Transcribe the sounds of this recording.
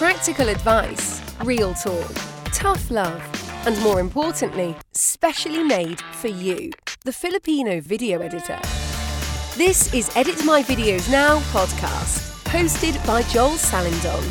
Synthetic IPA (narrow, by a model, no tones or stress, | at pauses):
pʰɹ̥ak̚tɪkələdvaɪsɹiːlˠtʰɔˑktʰʌflʌv̥ʔə̃nmɔːɹɪ̃mpʰɔˑʔn̩ʔli | spɛʃəlimeɪd̥fəjʉðəfɪlɪpʰĩːnəʊvɪɾiəʊɛdɪtʰə̰ | ðɪsɪzɛɾɪtmaɪvɪɾiəʊznaʊpʰɒd̚kʰɑ̰ˑst | pʰəʊstɪdbaɪd͡ʒɒl̥ˠsalɪ̃ndə̰̃n